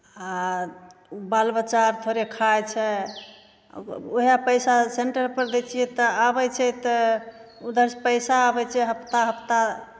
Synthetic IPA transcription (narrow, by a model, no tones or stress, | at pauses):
a | balbət͡ʃaɾt̪ʰoɾekʰajt͡ʃʰɛ | oɦijapəjsaseɳʈəɾpəɾd̪et͡ʃʰijɛt̪ɔabɛt͡ʃʰɛt̪ɔ | ud̪əɾspəɪsaːbɛt͡ʃʰɛɦəpt̪aɦəpt̪a